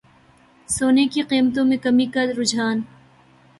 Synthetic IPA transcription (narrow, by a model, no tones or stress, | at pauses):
soːnekiqiːmət̪õmẽkɐmikɐd̪ɾʊd͡ʒaːn